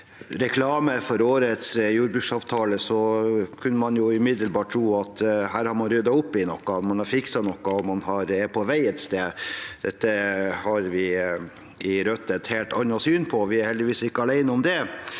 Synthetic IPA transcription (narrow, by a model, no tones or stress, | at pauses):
ɾɛkʰlɑːməfɔɾoːɾət̪sjuːɾbʉːʂsɑːʋt̪ʰɑːləsɔkʰʉnːəmɑnjʊʉmɪd̪əlbɑːʈ̚ʈʰːɾuːɑt̪hæːɾhɑɾmɑnɾʏd̪ɑʊpːɪnɔkːɑt̪mɑnhɑɾfɪksɑnɔkːɑɔmɑnhɑɾɛpʰɔʋæɪɛt̪st̪eːd̪̥ɛt̪ːəhɑɾʋɪ | ɪɾœt̪ːət̪heːlt̪ɑnɑsyːnpʰɔʋɪæɾhɛld̪ɪʋiːsɪkːəɑlæɪnəɔmd̪ɛ